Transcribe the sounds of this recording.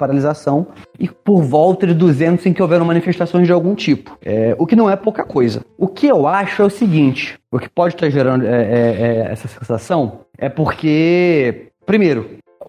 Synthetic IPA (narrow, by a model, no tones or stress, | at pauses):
paɾalizasɐ̃w̃ɪpoɾvɔwt̪ɐd͡ʒɪd̪uzẽnt̪ʊzẽj̃kɪowvɛɾɐ̃w̃mɐ̃nifeʃt̪asõj̃zd͡ʒɪawɡũt͡ʃipʊ̥ɛʊkɪnɐ̃w̃ɛpowkɐkojzɐ̰ʊkɪewaʃʊɛʊsɪɡĩnt͡ʃɪ̥ʊkɪ̥pɔd͡ʒɪt̪aʒeɾɐ̃nd̪ʊɛɛɛɛ̰sɐsẽsasɐ̃w̃ɛpoχke | pɾimejɾʊ